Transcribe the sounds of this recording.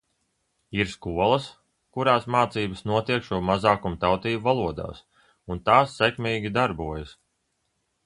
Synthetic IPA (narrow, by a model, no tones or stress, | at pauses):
iɾskuɔlˠɐs | kuɾaːsmaːt̪siːbəsnuɔt̪iɛkʃuɔmazaːkumt̪awt̪iːbuvalˠuɔd̪a̰ːs | unt̪aːsːɛkmʲiːɡʲid̪aɾbuɔjɐs